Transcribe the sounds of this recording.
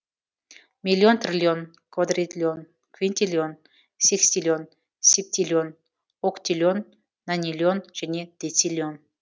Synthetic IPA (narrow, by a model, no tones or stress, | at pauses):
mʲilʲːont̪rʲilʲion | kvad̪rʲit̪ʲlʲion | kvʲinʲt̪ʲilʲion | sʲeksʲt̪ʲilʲon | sʲep̚t̪ʲilʲion | okt̪ʲilʲonː | anʲilʲionʒ̥enʲed̪̥ʲet͡sʲilʲion